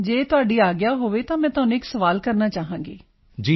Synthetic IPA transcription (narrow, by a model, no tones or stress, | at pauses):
d͡ʒeːt̪ʊaːɖiːaːɡɪjaːɦoːʋeːt̪ãːmɛ̃ːt̪ʊaːnũːɪksəʋaːlkəɾnaːt͡ʃaːɦãːŋɡeː | d͡ʒiː